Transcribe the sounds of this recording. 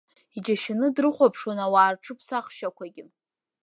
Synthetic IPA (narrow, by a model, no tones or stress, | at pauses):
id͡ʒaʃɪnɨdrɨχʷapʰʂonawaːrʈ͡ʂʰɨpʰsaχʃakʷʰaɡʲɪ